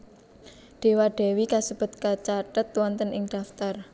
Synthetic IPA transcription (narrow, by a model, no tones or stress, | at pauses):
ɖ̪̥e̤waɖ̥ɛ̤wikasəb̥ʊ̤t̪̚kat͡ʃaʈət̪wɔnt̪ənɪŋɖ̪̥a̤ft̪ar